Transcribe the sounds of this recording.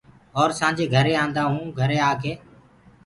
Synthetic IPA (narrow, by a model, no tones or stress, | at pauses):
ɔːɾsãːɲd͡ʒeːɡʱəɾeːãːnd̪aːɦũːɡʱəɾeːaːkʰeː